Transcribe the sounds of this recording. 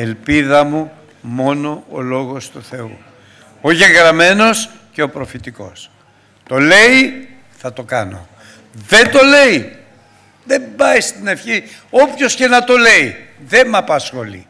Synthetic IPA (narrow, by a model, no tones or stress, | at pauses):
e̞lpiðɐmu | mo̞no̞o̰lo̞ɣo̞st̪uθe̞ṵ | oʝeɣɾɐme̞no̞s | ceopɾo̞fit̪iko̞̰s | t̪o̞le̞i | θɐt̪o̞kɐno̞̰ | ðe̞nt̪o̞le̞i | ðe̞mbɐjst̪ine̞fçio̞pço̞sce̞nɐt̪o̞le̞i | ðe̞mɐpɐsxo̞lḭ